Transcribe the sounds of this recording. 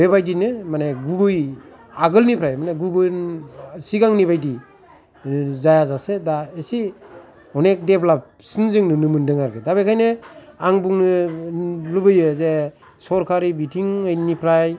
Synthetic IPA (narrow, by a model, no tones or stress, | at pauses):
bebajdinɯmaneɡubɯj | aɡɯlnipʰɾajmaneɡubɯnsiɡaŋnibajdi | zajazasedaesi | ɔnek̚deplap̚ | sɯnzɯŋnɯnɯmɯndɯŋaɾɡɯdabekʰajnɯaŋbuŋnɯ | lɯbɯjɯze | sɔɾkʰaɾibitʰiŋɯjnipʰɾaj